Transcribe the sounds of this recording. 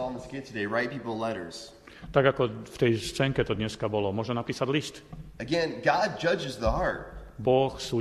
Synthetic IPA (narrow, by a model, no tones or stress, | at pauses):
n̩ðəskeɪtʰɨdeɪɹaɪt̚pʰipl̩ˠlɛɾə˞z̥ | t̪aɡakɔft̪ɛjst͡sɛːŋkɛt̪ɔd̪ɲɛskabɔlɔmʊɔʒɛnapiːsaɟlist̪ɨɡɛ̃nɡɑd̚d͡ʒʌd͡ʒɨzðəɦɑɹt̚bɔxsuː